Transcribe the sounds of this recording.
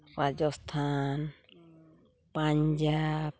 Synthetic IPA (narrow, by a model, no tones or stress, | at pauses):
ɾad͡ʒɔst̪ʰan | paɲd͡ʒab̚